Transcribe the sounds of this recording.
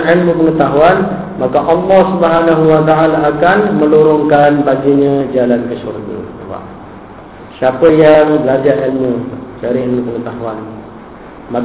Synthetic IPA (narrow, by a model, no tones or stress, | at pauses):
ʔɛlmə̃pəŋət̪aɦuan | makaʔɑlːɔhsubəɦanaɦuwat̪aalaːkanmə̃luɾʊŋkanbaɡiɲãd͡ʒalankəsṵrɡə̰a̰ba̰ʔ | siapəjaŋbəlad͡ʒaʔɛlmət͡ʃaɾiɛlməpəŋət̪aɦuan | ma